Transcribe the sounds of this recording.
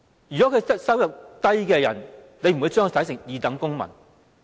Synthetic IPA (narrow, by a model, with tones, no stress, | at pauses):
jy˨kɔ˨˥kʰɵ˨˧jɐ˥sɐ˥wjɐ˨p̚t̪ɐ˥jkɛː˧jɐ̰˨˩n | ne˨˧jm̩˨u˨˧jt͡ʃːŋkːt̪ɐ˨˥jsɪ˨˩ŋjiː˨˧t̪ɐ˨˥ŋkʊ˥ŋmɐ̰˨˩n